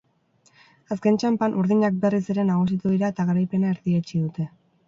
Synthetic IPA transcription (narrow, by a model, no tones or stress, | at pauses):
aske̞nt͡ʃampanʔuɾðiɲak̚be̞riseɾe̞naɣ̞us̬it̪uðiɾae̞t̪aɣaɾajpe̞nae̞ɾðiet͡ʃiðut̪e̞